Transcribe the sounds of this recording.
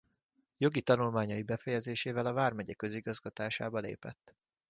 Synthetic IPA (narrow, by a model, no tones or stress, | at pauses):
jo̞ɡit̪ɒnulmaːɲɒjibɛfɛjɛzeːʃeːvɛlɒvaːrmɛɟɛkø̞ziɡɒzɡɒt̪aːʃaːbɒlḛːpɛ̰t̪ː